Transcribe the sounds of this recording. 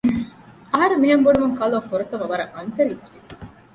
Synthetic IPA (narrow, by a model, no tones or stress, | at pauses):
ɐɦɐɾemːiɦɐmbonumuŋkɐloːfuɾut̪ɐmɐʋɐɾɐŋʔɐnt̪ɐɾiːsʋi